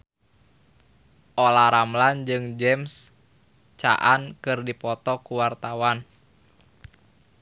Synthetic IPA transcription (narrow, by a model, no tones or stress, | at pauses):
ʔolaɾamland͡ʒɨŋd͡ʒɛms | t͡ʃa̰ʔankɨrdipɔt̪ɔkuwart̪awan